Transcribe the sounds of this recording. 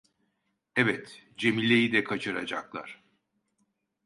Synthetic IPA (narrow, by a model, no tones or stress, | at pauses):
ɛvɛt̪d͡ʒe̞milʲe̞jid̪ɛkʰat͡ʃʰɯɾad͡ʒaklˠa̰ɾ̥